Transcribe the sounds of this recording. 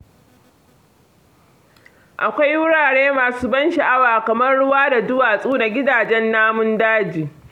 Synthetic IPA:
ʔa˨kʷa˦jwʊ˦ɽaː˨ɽeː˦maː˨suː˦bɐ˦nʃi˨ʔa˦waː˨kɐ˨mɐ˦rɽʊ˦waː˦da˨dʊ˦waː˨sʼuː˦na˨ɡʲɪ˦daː˨d͡ʒɛ˦nːaː˦mʊ˦ndaː˦d͡ʒiː˨

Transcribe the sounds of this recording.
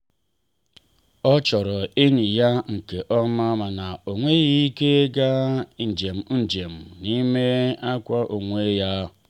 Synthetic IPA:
ɔ˦t͡ʃɔ˨ɾɔ˨e˦ɲi˨ja˦ŋ̩˨ke˨ʔɔ˦ma˦ma˨na˨o˨ŋʷe˦ɣi˦ke˦ɡa˦n̩˨d͡ʒe˨m̩˨n̩˨d͡ʒe˨m̩˨ni˦me˦a˦kʷa˦ʔo˨ŋʷe˦ja˦

